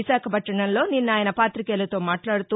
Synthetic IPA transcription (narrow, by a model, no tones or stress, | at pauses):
isaːkʰɐbʱɐʈːɐɳɐnlo̞ːninːaːjɐnɐpaːt̪ɾikeːlɐt̪o̞ːmaːʈlaːɽut̪u